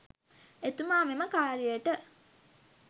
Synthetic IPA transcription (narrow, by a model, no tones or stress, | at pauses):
et̪umaːmeməkaːɾijəʈə